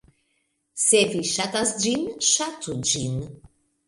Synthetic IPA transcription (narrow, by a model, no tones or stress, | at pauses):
seviʃat̪asd͡ʒinʃatud͡ʒin